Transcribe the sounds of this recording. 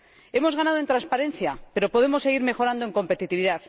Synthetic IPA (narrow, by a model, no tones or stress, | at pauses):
e̞mo̞zɣanað̞oent̪ɾanspaɾẽ̞nθjape̞ɾo̞po̞ð̞e̞mo̞se̞ɣ̞iɾmexo̞ɾand̪oeŋko̞mpe̞t̪it̪iβiðaθ